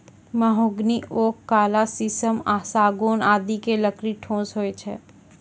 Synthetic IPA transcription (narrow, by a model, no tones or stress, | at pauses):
mɐɦoːɡnioːkːaːlasisəmaːsaːɡoːnaːd̪ikeləkɾiʈʰõːsɦoːet͡ʃʰɛ̰ː